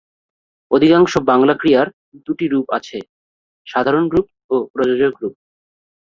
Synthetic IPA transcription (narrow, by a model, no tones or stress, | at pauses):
od̪ʱikaŋʃobaŋlakɾiaɾ | d̪uʈiɾupa̰t͡ɕʰe | ʃad̪ʱaɾonɾup̚ | opɾod͡ʑod͡ʑoɡɾup̚